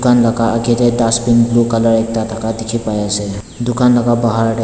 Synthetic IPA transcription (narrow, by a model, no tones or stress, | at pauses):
kanləkaʔəɡeɾed̪asbinblukələɾek̚t̪at̪ʰakad̪ikʰipajase | d̪ukanləɡabəɦaɾɖ